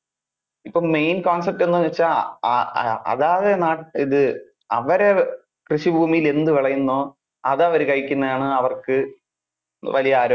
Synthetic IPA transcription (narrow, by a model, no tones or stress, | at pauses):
ipːoːmejnkoːns̬ɐp̚ʈːenːuʋet͡ɕːa | ɐ̰ðaːðe̞naːʈiðɨ | ɐʋɐɾe̞ | krɨɕibʱuːmijile̞nd̪ɨʋiɭɐjunːoː | ɐðɐʋɐɾɨkɐjikʲːunːɐðaːɳɨɐʋɐrkɨ | ʋɐlijɐaːɾo